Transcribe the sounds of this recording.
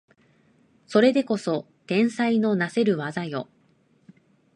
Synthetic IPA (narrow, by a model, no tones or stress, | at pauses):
so̞ɾe̞d̪e̞ko̞so̞ | d̪̥ẽ̞ɰ̃saino̞nase̞ɾɯ̟βazajo̞